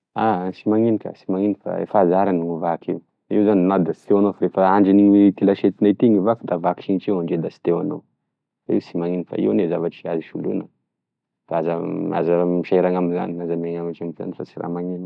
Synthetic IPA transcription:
asimaŋinika̰simaŋinifa̰ḛfazaɾaniŋuvakiw | iwzaninad̪asi̥t̪ewanofaɾefəaɳɖ͡ʐiniɲwet̪ilaʃet̪inet̪iŋivakid̪avaki̥ʃinit͡ʃiwaɳɖ͡ʐed̪asi̥t̪ewano̰ | faiwsimaŋinifa̰ḭwnezavaʈ͡ʂiaziʃulunə | faazəa̰zəmiʃaeɾaŋaminza̰ninazameŋamaʈ͡ʂamza̰nifat͡siɾa̰maŋini

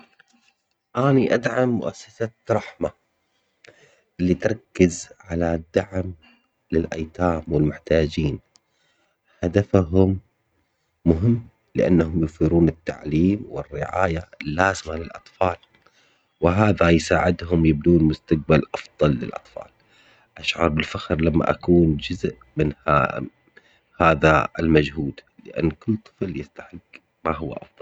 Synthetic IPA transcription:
ʔaːniʔad̪ʕamːʊ̰ʔasːasaɾˤɑħma | ʔɪlːit̪ɾˤɑkːɪzʕalad̪ːaʕm | lɪlʔa̰jt̪aːmwɪlmʊħt̪aːd͡ʒiːn | had̪afɦʊmː | ʊɦɪmː | lɪʔa̰nːahʊmjʊfiːɾuːnɪt̪ːa̰ʕliːmwɪrːɪʕa̰ːjalːaːzɪmalɪlʔɑt̪ˤfɑːl | wɪɦaːðajsaːʕɪd̪ɦʊmjɪb̚d̪uːnmʊst̪aq̚balʔɑfðˤɑlːɪ̰lʔɑ̰t̪ˤfɑ̰ːl | ʔaʃʕɑ̰ɾˤbɪlfaxɾlamːa̰ʔakuːnd͡ʒʊzʔ | mɪnha | haːðaɪlmad͡ʒhuːd̪lɪ̰ʔa̰nːkɪlːt̪ˤɨ̥fljɪst̪aħɪɡː | maɦʊwːa̰ʔɑ̰fðˤɑl

